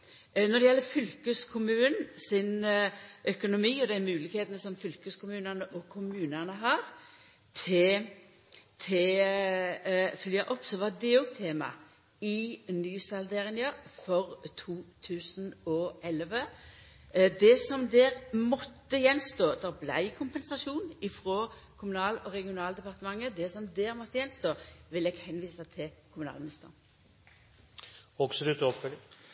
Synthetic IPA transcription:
nɔd̪ɛjɛlːəfʏlkəskʰʊmʉːnsɪnʔœkʊnʊmiːɔd̪æɪmʉːlɪɡheːt̪ənəsɔmfʏlkəskʊmʉːnəʁnəʔɔkʰʊmʉːnənəɦɑːʁ | t̪ʰɛ | t̪ʰɛ | fʏljɑʔɔpːsɔʋɑd̪ɛoːɡ̚t̪ʰeːmɑ̰ | ɪnyːsɑld̪ɛʁɪnjɑfɔʁt̪ʰuːt̪ʰʉːsnɔʔɛlʋə | d̪ɛsɔmd̪ɛːʁmɔt̪ːəjɛnst̪oːd̪ɛblæ̰ɪkʰʊmpɛnsɑʃuːnɪfʁoːkʰʊmʉnɑːlɔʁɛɡɪʊnɑːld̪ɛpɑʁt̪əmɑŋːəd̪ɛsɔmd̪ɛːɾmɔt̪ːəjɛnst̪oːʋɪlɛɡhɛnʋiːsɑt̪ʰɪlkʰʊmʉnɑ̰lmɪnɪst̪əʁn | ɔksɔd̪ʉt̪ɔpfœl

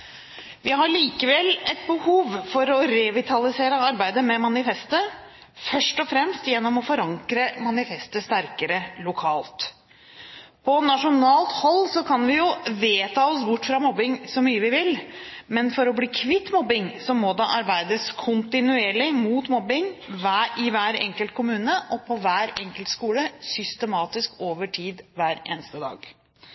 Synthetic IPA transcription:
ʋɪɦɑɭiːkəʋɛlːɛt̪̚bəhuːʋfɔɾɔɾɛʋɪt̪ʰɑlɪseːɾəɑɾbæɪd̪əmɛmɑnɪfɛst̪ə | fœʂʈɔfɾɛmst̪jɛnːɔmɔfɔɾɑŋkɾəmɑnɪfɛst̪əst̪æɾkəɾəlʊkʰɑːlt̪ | pʰɔnɑʂʊnɑːlt̪hɔlːsɔkʰɑnʋɪjʊʋeːt̪ʰɑːɔsbʊʈːfɾɑmɔbːɪŋsɔmyːəʋɪʋɪlmɛnfɔɾɔbliːkʰʋɪt̪ːmɔbɪŋsɔmɔd̪ɑʔɑɾbæɪd̪əskʰʊnt̪ɪnʉeːɭɪmuːt̪mɔbɪŋʋæʔɪʋæːɾɛ̰ŋkəlt̪̚kʰʊmʉːnəʔɔpʰɔʋæːɾɛŋkəlt̪skuːləsʏst̪əmɑːt̪ɪskoːʋəʈʰiːd̪ʋæːɾḛːnəst̪əd̪ɑ̰ːɡ̥

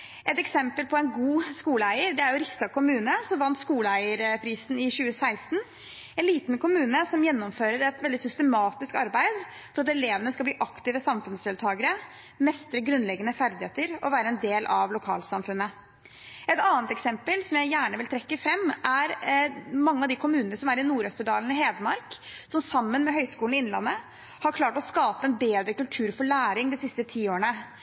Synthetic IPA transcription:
ʔɛt̪ɛksɛmpəlpʰɔɛnɡuːskuːləæɪəɾɖ̪ɛæɾjʊɾɪst̪ɑkʰʊmʉːnəsɔmʋɑnt̪skuːləæɪəɾpʰɾiːsnɪɕʉːəsæɪst̪n | ɛnliːt̪nkʊmʉːnəsɔmjɛnːɔmføːɾəɾɛt̪ʋɛld̪ɪsʏst̪əmɑːt̪ɪskɑɾbæɪd̪ | fɔɾɑt̪ɛleːʋənəskɑlbliːʔɑkt̪ɪʋəsɑmfʉnsd̪eːlt̪ʰɑːɡəɾə | mɛst̪ɾəɡɾʉnlɛɡːənəfæɾd̪ɪheːt̪əɾɔʋæːɾəɛnd̪eːlʔɑʋlʊkʰɑ̰ːlsɑmfʉnːə | ɛt̪ɑːənt̪ɛksɛmpəlsɔmjæɪjæːɳəʋɪlt̪ʰɾɛkːəfɾɛmːʔæɾmɑŋːəɑʋd̪ɪkʰʊmʉːnənəsɔmæɾɪnuːɾœst̪əɖɑːlənɪheːd̪əmɑɾksɔmsɑmːənmɛɦœʏskuːl̩ɪɪnlɑ̰nːə | hɑɾkʰlɑːʈɔskɑːpəɛnbeːd̪ɾəkʉlt̪ʰʉːɾfɔɭæːɾɪŋd̪ɪsɪst̪ət̪ʰiːoːəɳə

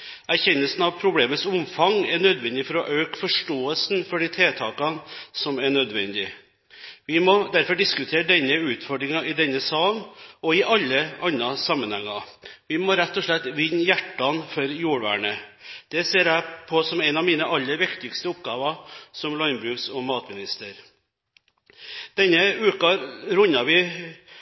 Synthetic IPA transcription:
æɾçɛnːəlsn̩ɑʋpʰɾʊbleːməsʊmfɑŋæɳœd̪ʋɛnd̪ɪfɔɾɔʔøːkfɔʂʈoːəlsn̩fɔɖit̪ʰɾeːt̪ʰɑːkɑnsɔmæɳœd̪ʋɛ̰nd̪ɪ | ʋɪmɔd̪æɾfɔɖɪskʉt̪ʰeːɾəɖ̪ɛnːəʉːt̪fɔɖɾɪŋɑɪd̪ɛnːəsɑːnɔɪʔɑlːəɑnɾɑsɑmːənhɛŋːɑʋɪmɔɾɛt̪ːɔʂɭɛt̪ːʋɪnːjæʈːɑnfɔɾjuːɽʋæ̰ːɳəd̪̥ɛseːɾæɪpʰɔsɔmɛnɑːʋmiːnəʔɑlːəɾʋɪkt̪ɪɡst̪əʊp̚ɡɑːʋɑsɔmlɔnbɾʉːɡsɔmɑːt̪mɪnɪst̪əɾ | d̪̥ɛnːəʉːkɑɾʊnːɑʋɪ

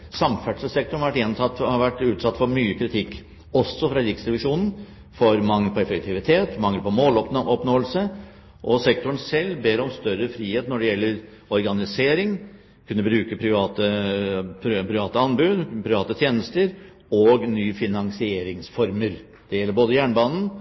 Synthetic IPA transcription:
sɑmfæɖʂəsɛk̚t̪ʊɳ̩ɑʋæʈːjɛnt̪ɑt̪ːhɑʋæʈːʉːt̪sɑt̪ːfɔɾmyːəkʰɾɪt̪ʰɪkː | ɔsːɔfɾɑɾɪksɾɛɪʋɪʂuːnn̩ | fɔɾmɑŋːəpʰɔɛfəkt̪ʰɪʋɪt̪ʰeːt̪mɑŋːəpʰɔmoːlɔp̪ʔɔpnoːəlsə | ʔɔsɛk̚t̪ʊɳ̩sɛlːbeːɾɔmst̪œɾəfɾiːheːt̪nɔɖɛjɛlːəɾ | ɔɾɡɑnɪseːɾɪŋ | kʰʉnːəbɾʉːkəpʰɾɪʋɑːt̪əpʰɾpʰɾɪʋɑːt̪əɑnbʉd̪pʰɾɪʋɑːt̪ət̪ʰjeːnəst̪əɾ | ɔɡnyːfɪnɑŋsɪeːɾɪŋsfɔɾməɾ | d̪̥ɛjɛlːəɾboːd̪əjæːɳbɑːnn̩

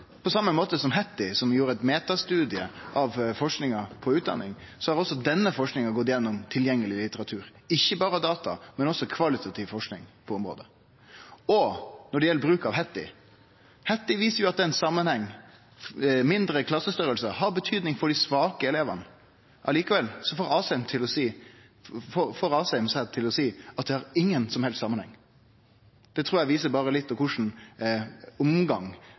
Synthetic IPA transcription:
pʰɔsɑmːəmoːt̪əsɔmɦɛt̪ːɪsɔmjuːɾəæɪt̪meːt̪ɑst̪ʉːd̪ɪə̰ʔɑʋfɔʂknɪŋɑpʰɔʉːt̪d̪ɑ̰nːɪŋsɔhɑɾɔsɔd̪ɛnːəfɔʂknɪŋɑɡɔt̪ːjɛnːɔmt̪ʰɪljɛŋːəlɪlɪt̪əɾɑt̪ʰʉːɾɪçːəbɑːɾəd̪ɑːt̪ɑ̰mɛnɔsːɔkʰʋɑlɪt̪ʰɑt̪ʰiːʋfɔʂknɪ̰ŋpʰɔɔmɾo̰ːd̪ə | ɔnɔɖɛjɛlːəbɾʉːkɑʋhɛt̪ːɪ̰ | hɛt̪ːɪʋiːsəɾjʊɑt̪̚d̪ɛnsɑmːɑnhɛŋː | mɪnd̪ɾəkʰlɑsːəst̪œɾəlsəhɑɾbət̪ʰyːd̪nɪŋfɔɖɪsʋɑːkəɛleːʋə̰n | ʔɑliːkəʋɛlːsɔfoːɾɑːsɛmt̪ʰɪlɔsiː | fofoːɾɑːsɛɪmsæd̪t̪ʰɪlɔsiːɑt̪̚d̪ɛhɑɾɪŋːənsɔmhɛlst̪sɑmːənhɛ̰ŋː | d̪̥ɛt̪ʰɾuːɾjæɪʋiːsəbɑːɾəlɪt̪ːɔkʰʊʂn̩ | ʊmɡɑŋ

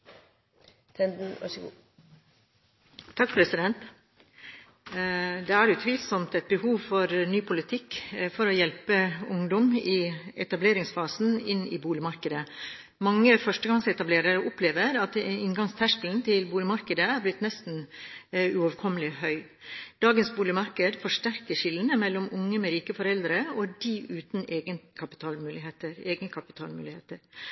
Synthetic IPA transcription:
t̪ʰɛnd̪n̩ɑ̰ | t̪ʰɑkpʰɾɛsɪd̪ɛnt̪ | d̪ɛæɾjʉt̪ʰʋiːlsɔmt̪ɛt̪̚bəhuːʋfɔɾnyːpʰʊlɪt̪ʰɪkfɔɾɔjɛlpəʊŋd̪ɔmɪɛt̪ɑbleːɾɪŋsfɑːsn̩ɪnɪ̰buːlɪmɑɾkəd̪ə | mɑŋːəfœʂʈəɡɑŋsɛt̪ɑbleːɾəɾʊpleːʋəɾɑt̪ɪnɡɑŋst̪ʰæʂkln̩t̪ʰɪlbuːlɪmɑɾkəd̪əæɾblɪt̪nɛst̪n̩ | ʉoʋkʰɔmːəlɪhœʏ | d̪̥ɑːɡənsbuːlɪmɑɾkəd̪fɔʂʈæɾkəʂɪlːnəmɛlːɔmʊŋːəmɛɾiːkəfɔɾɛld̪ɾəɔd̪iʔʉːt̪n̩eːɡənkʰɑpɪ̥t̪ʰɑːlmʉːlɪheːt̪əɾeːɡnəkʰɑpɪ̥t̪ʰɑ̰ːlmʉ̰ːlɪheːt̪əɾ

